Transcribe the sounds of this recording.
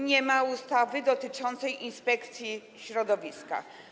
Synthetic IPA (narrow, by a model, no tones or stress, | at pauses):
ɲɛmaust̪avɘd̪ɔt̪ɘt͡ʂɔnt̪sɛjʔinspɛkt̪sʲji | ɕɾɔd̪ɔvʲiska̰